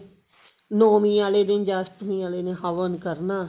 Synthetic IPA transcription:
noːmĩːaːleːd̪ẽnd͡ʒast̪mĩːaːleːneːɦəʋənkəɾnaː

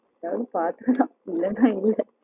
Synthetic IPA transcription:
ɐðaːʋɐðɯpaːɾt̪ɯɾɐlãːɪlːɛnːãːɪlːɛ

